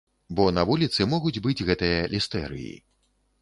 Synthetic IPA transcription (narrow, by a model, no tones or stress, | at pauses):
bɔnɐvulʲit̪sɨmɔɣud͡zʲbɨd͡zʲɣɛt̪ɨjɐlʲist̪ɛ̰ɾɨ̰jḭ